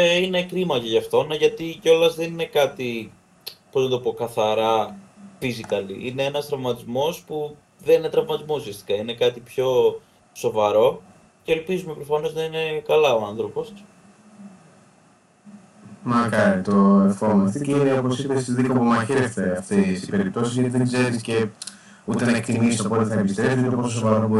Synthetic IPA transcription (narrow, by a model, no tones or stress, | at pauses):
eine̞kɾimɐceʝɐft̪o̞nɐʝɐt̪iceo̞lɐzðe̞nine̞kɐt̪i | po̞znɐt̪o̞po̞kɐθɐɾɐfizikɐlḭʔineenɐst̪ɾɐvmɐt̪izmo̞spu | ðenine̞t̪ɾɐvmɐt̪izmusist̪i̥kɐine̞kɐt̪ipço̞ | so̞vɐɾo̞ | ce̞ːlpizume̞pɾo̞fɐno̞znɐine̞kɐlɐoɐnθɾo̞po̞s | mɐkɐɾit̪o̞efomɐst̪iceineopo̞sipesiðikɐpumɐçeɾesθeɐft̪esi̥pe̞ɾip̚t̪o̞sizʝɐt̪iðeɡzeɾisce̞ | ut̪enɐek̚t̪imisisɐopo̞t̪eθɐepist̪ɾepsit̪opososo̞vɐɾobo